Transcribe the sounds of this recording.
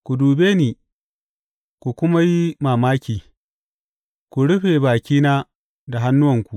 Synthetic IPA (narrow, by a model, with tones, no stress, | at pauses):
kʷu˨duː˨beː˦niː˨ | kʷu˨kʷʊ˦ma˦ji˦maː˨maː˦kʲiː˨ | kʷu˨ɽʊ˦ɸe˨baː˨kʲiː˦naː˦ | da˨ɦa˦nːʊ˦wɐ˨ŋkʷu˨ʔ